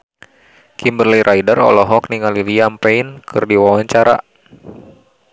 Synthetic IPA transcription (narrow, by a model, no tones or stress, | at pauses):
kimbərliɾʔaidərɔ̰lɔɦɔk̚niŋaliliampɛinkʰɨrdiwawaɲt͡ʃaɾa̰